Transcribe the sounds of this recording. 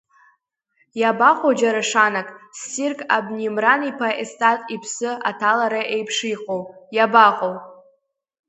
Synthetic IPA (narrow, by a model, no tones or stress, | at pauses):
jabaqʼod͡ʒaɾaʂanakʼstirkʼa̰bnimranipʰaʔestʼatʼipʰsɨatʰalaɾaʔejpʰʂiqʼowjabaqʼow